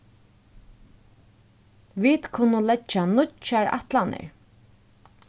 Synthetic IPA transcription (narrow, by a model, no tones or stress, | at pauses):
ʋiːt̪kʰʊnʊlɛt͡ʃːanʊt͡ʃaɹa̰t̪lanɪ̰ɹ